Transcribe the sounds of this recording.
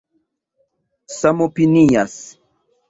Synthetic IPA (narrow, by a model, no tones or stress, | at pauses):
samopinijas